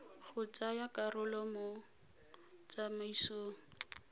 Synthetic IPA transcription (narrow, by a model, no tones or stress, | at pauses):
ɣʊt͡sʼajakʼarʊlɔmo | t͡samaisoːŋ̩